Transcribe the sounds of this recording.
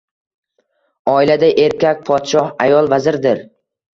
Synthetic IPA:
ɒilad̪aʔe̞ɾkʲakʲpʰɒt̪ʃɒhajɒlˠvazɪɾd̪ɪɾ

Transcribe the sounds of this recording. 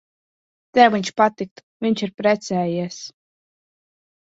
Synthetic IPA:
t̪ɛwviɲʲt͡ʃpat̪ik̚t̪ | vʲiɲʲt͡ʃiɾpɾɛt̪sʲɛːjiɛs

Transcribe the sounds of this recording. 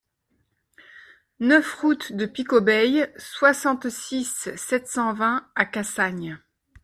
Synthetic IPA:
nœfʁut̪d̪əpikɔbɛjswasɑ̃t̪sisɛt̪sɑ̃vɛ̃akasaɲ

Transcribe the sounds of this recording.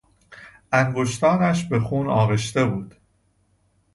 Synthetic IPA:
ʔæŋɡo̞ʃt̪ɒːnæʃbe̞xuːnɒːɣe̞ʃt̪e̞buːd̪̥

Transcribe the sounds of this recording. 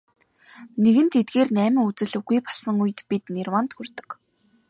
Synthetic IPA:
neɣɘ̆nt̪ʰet̪̚ɡeːrnæːmʲɪ̆ŋut͡sɘ̆ɮɘ̆wɣujpɔ̥ɮsə̆ŋuj̆t̪pit̪nerwant̪xɵrt̪ɵ̥̆k

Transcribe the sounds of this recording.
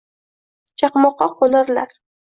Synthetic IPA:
t͡ʃʰɑqmɒqːɑqʰolaɾlaɾ

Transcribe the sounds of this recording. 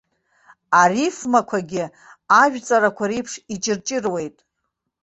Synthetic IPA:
arifmakʷʰaɡʲɪ | aʒᶣt͡sʼaɾakʷʰaɾijpʰʂit͡ʃʼɪrt͡ʃʼɪrwe̞jtʼ

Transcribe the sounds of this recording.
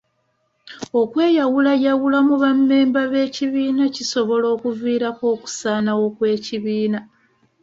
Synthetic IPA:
o̞kwe̞ːjawulajawulamuβamːe̞ːmbaβe̞ːciβiːnaciso̞βo̞lo̞ːkuviːɾako̞ːku̥saːnawo̞kwe̞ːciβiːna

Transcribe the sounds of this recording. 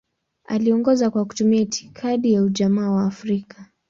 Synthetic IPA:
a̰liɔŋɡɔzakwaku̥tumiaitʰi̥kʰaɗijauʄamaːwaːfɾika

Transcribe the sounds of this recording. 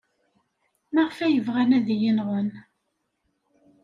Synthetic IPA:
mæʁfæjəvʁænæðijinʁən

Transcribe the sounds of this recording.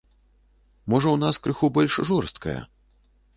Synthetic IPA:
mɔʐɐwnaskɾɨxubɔlʲʂʐɔrst̪̚kɐ̰jɐ̰

